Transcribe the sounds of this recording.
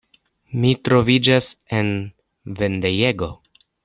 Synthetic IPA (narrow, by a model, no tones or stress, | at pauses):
mitɾo̞vid͡ʒase̞n | ve̞ndejeɡo̞